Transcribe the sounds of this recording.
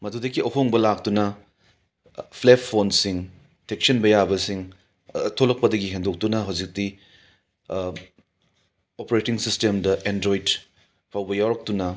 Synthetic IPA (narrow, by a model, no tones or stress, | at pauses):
mɐdudɐɡiʔɐɦoŋbɐlak̚tunɐ | pʰlepʰːonsiŋ | tʰek̚sɐnbɐjabɐsiŋ | tʰolɐk̚pɐdɐɡiɦendok̚tunɐɦɐwzik̚ti | opeɾetiŋsistemdɐʔendɾojd | pʰawbɐjawɾɐk̚tunɐ